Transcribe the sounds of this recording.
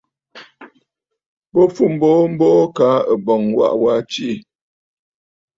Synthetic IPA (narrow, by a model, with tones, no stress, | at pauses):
bo˦fu˦˨m̩˦bɔ˦m̩˦bɔː˦ka˨˦ə˨bɔ˨ŋwa̰˦ʔwa˦t͡ʃi˦˨